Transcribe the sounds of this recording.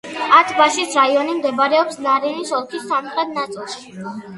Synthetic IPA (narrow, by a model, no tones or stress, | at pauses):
at̪ʰbaʃisɾaiɔnimd̪ɛbaɾɛɔpsnaɾinisɔlˠkʰisːamχɾɛt̪̚nat̪sʼilˠʃi̥